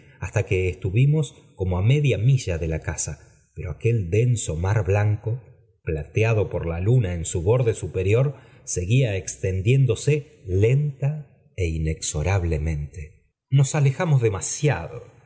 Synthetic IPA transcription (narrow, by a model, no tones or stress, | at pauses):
ast̪akeːst̪uβimo̞s | ko̞moame̞ðjamiʒaðe̞lakasa | peɾo̞ake̞ld̪e̞nso̞maɾβlaŋko̞ | plat̪eaðo̞poɾlalunaensuβo̞ɾðe̞supe̞ɾjo̞ɾ | se̞ɣiaekst̪end̪je̞nd̪o̞se | le̞nt̪a | eine̞kso̞ɾaβ̞le̞mẽ̞nt̪e | no̞salexamozðe̞masja̰ðo̰